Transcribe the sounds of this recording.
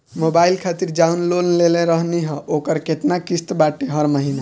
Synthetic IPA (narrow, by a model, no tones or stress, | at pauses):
mobailkʰat̪iɾd͡ʒaunlonlelẽɾəɦniɦə̃ʔokəɾkeʈnakist̪baʈeɦəɾməɦina